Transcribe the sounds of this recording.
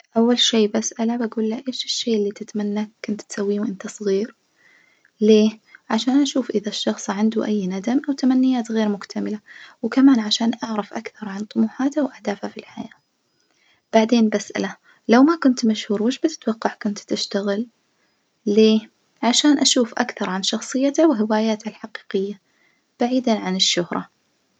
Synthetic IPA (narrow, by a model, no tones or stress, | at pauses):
ʔawːalʃeːbasʔalabaɡuːlːaʔeːʃɪʃːeːʔɪlːit̪ɪt̪manːakʊnt̪t̪sawːiːwʔɪnt̪asˤɣiːɾ | leːʕaʃaːnʔaʃuːfʔɪðaʃːɑxsˤʕand̪uʔajːnad̪amʔawt̪amanːɪjːaːt̪ɣeːɾmʊkt̪ʰamɪlawkamaːnʕaʃaːnʔaʕɾˤɑfʔakθɑɾˤʕɑnt̪ˤʊmuːħaːt̪awʔahd̪aːfhafilħajaː | b̥aʕd̪eːnbasʔa̰la | lawmakʊnt̪maʃhuːɾmɪʃbɪt̪ɪ̥t̪wɑqːɑʕkʊnt̪t̪ɪʃt̪aɣɪlː | eː | ʕaʃaːnʔaʃuːfʔa̰kθɑɾˤʕanʃɑxsˤɨjːat̪awɪɦɪwaːjaːt̪halħaqi̥ːqɪjːa | b̥aʕiːd̪aʕanɪʃːʊhɾˤɑ̰